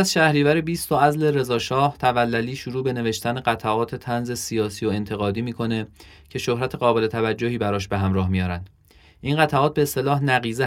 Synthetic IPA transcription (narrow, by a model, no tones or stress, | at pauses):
æzʃæhɾiːvæɾebiːst̪oæzle̞ɾe̞zɒːʃɒːht̪ʰævælːæliːʃuɾuːbe̞neve̞ʃt̪ʰæne̞ɢæt̪ʰæʔɒːt̪ʰe̞t̪ʰænze̞sijɒːsiːoe̞nt̪ʰe̞ɣɒːd̪iːmiːkʰo̞ne̞cʰe̞ʃohɾæt̪ʰe̞ɣɒːbe̞le̞t̪ʰævæd͡ʒːohiːbæɾɒːʃbe̞ɦæmɾɒːhmijɒːɾænd̪̥ | ʔinɢæt̪ʰæʔɒːt̪̚be̞ːst̪e̞lɒːhnæɣiːze